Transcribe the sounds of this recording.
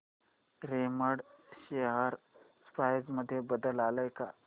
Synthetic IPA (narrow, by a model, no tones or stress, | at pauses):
ɾeməɽʃeɦaɾ | spʰajd͡ʒməd̪ʱjebəd̪əlaːləjka